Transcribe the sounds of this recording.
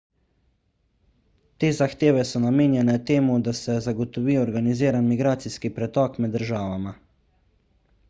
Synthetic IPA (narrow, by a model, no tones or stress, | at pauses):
t̪eːzaxt̪eːʋɛsɔnameːnjɛnɛt̪eːmud̪asɛzaɡɔt̪ɔʋiːɔɾɡaniziːɾanmiɡɾaːt̪siskipɾɛt̪ɔːkmɛd̪ːəɾʒaːʋama